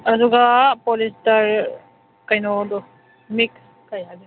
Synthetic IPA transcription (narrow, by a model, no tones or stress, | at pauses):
aduɡapɔlistaɾ | kajnɔdɔ | miks | kajadi